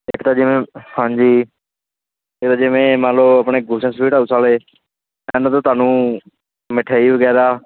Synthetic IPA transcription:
ekt̪aːd͡ʒɪmẽhãːɲd͡ʒiː | ɪkt̪aːd͡ʒɪmẽːmãloːəpɳeːɡʱuːsãspiːʈaːusʰaːleː | ɛ̃ːnət̪oːt̪aːnũː | mɪʈʰaːiːʋəɡɛːɾaː

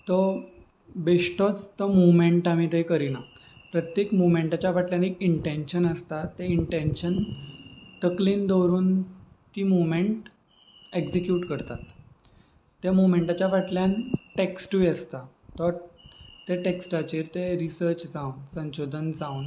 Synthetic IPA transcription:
t̪ɔ | beʂʈɔt͡st̪ɔmumeɳʈamiːt̪əikəɾina | pɾət̪jekmumeɳʈat͡ɕjaʋaʈljanekiɳʈenɕənəst̪at̪ːeiɳʈenɕən | t̪əkliːnd̪ɔɾuːn | t̪iːmumẽɳʈ | eksikjuːʈkəɾt̪at̪ː | amumẽɳʈat͡ɕaʋaʈljanʈeksʈuʋiəst̪a | t̪ɔ | t̪eʈeksʈat͡ɕiɾt̪eɾisəɾt͡ɕd͡zaunsə̃nɕod̪ʱənd͡zaun

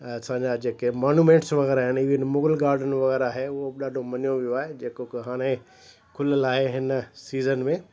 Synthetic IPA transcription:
ɐsãːɲd͡ʑad͡ʑeːkemaːnuːmẽːɳʈsʋɐɣɛːɾaːɦɪniːʋɪnmʊɡəlɡaːɾɖənʋɐɣɛːɾaɦeʊɦoɗaːɖʱomɐnijõʋijoaːɦed͡ʑeːkokɦaːɽ̃ẽ | kʰʊləlaːɦeɦɪnsiːzənmẽ

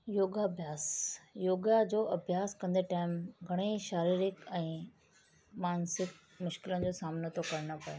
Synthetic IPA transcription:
joːɡabʱjaːsjoːɡad͡ʑoːɐbʱjaːskɐ̃nd̪eʈaːɪmɡʱɐɽ̃eʃaːɾiːɾɪkɛ̃ː | maːnsɪk̚ | mʊʃkɪlənɪ̆d͡ʑoːsaːmnot̪okɐɾñopɐje

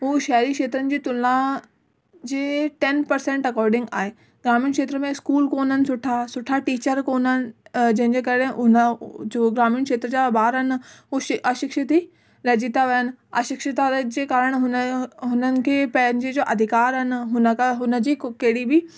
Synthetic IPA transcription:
ɦuːʃɐɦɾikʃeːt̪ɾənɪ̆d͡ʑiːt̪ʊlã | d͡ʑeːʈɛnpɐɾsẽɳʈɐkɔːɾɖɪ̃ŋɡa̰ːɦeː | ɡɾaːmijʊnkʃeːt̪ɾəmẽɪskuːlkoːnənɪ̆sʊʈʰasʊʈʰaʈiːt͡ɕəɾkoːnənɪ̆d͡ʑɐ̃ɦɪ̃ɲd͡ʑeːkɐɾeʊnəd͡ʑoːɡɾaːmiʊñkʃeːt̪ɾəd͡ʑaːbaːɾɐnɪ̆ɦuːʃɪʔɐʃɪkʃɪt̪i | ɾɐd͡ʑit̪aʋɐjənɪ̆ɐ̰ʃɪkʃɪt̪ad͡ʑeːkaːɾəɽ̃ɦʊnɦʊnənɪ̆kʰeːpɐ̃ɦɪ̃ɲd͡ʑed͡ʑoːʔɐd̪ʱɪkaːɾɦɪnɪ̆ɦʊnəkɦʊnə̆d͡ʑiːkɐɦɪɽibɪ

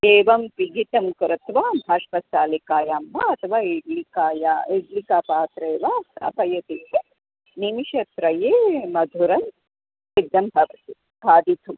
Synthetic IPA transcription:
eːʋɐmpiɡit̪ɐmkɾɐt̪ʋaːmʱɐʂpɐst̪aːlikaːjaːmbaɐt̪ʰɐʋaːiɡlikaːjaiɡlikapaːt̪ɾeːʋaːɐ̰pɐjɐt̪it̪ːi | nimiʃɐt̪ɾɐjeːmɐd̪ʱuɾɐn | sid̪ːɐmbʱɐbi | bʱaːd̪it̪ʰu

